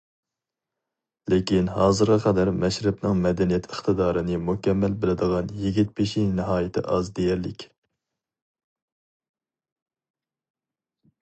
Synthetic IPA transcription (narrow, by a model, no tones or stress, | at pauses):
lekʲinɦɑːzɨɾʁɑqʰɑd̪ɛɾmɛʃɾɪpnɨŋmɛd̪ɛnijɛt̪ʰəχt̪ɨd̪ɑːɾɨnɨmukʲʰɛmːælbɪlɪd̪əʁɑnjiɡʲit̪̚pʰeʃinɨɦɑːjɪt̪ʰɪ̰ʔɑzd̪ejæɾlɪkʲ